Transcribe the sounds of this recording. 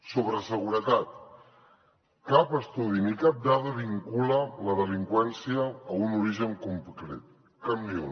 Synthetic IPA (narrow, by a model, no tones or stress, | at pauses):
soβɾəsəɣuɾət̪at̪̚ | kapəst̪uðinikap̚d̪aðəβiŋkulələðəliŋkwɛnsiəːunuɾiʒəŋkumpkɾḛt̪̚ | kəmio